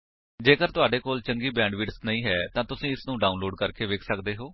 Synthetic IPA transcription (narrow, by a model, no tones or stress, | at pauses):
d͡ʒeːkəɾt̪ʊaːɖeːkoːlt͡ʃəŋɡiːbɛ̃ːɳɖʋiːʈsnəĩːɦɛːt̪ãːt̪ʊsĩːɪsnũːɖaːunloːɖkəɾkeːʋeːkʰsəkd̪eːɦoː